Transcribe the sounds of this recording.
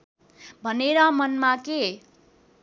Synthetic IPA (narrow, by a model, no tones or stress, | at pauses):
bʱʌneɾʌmʌnmake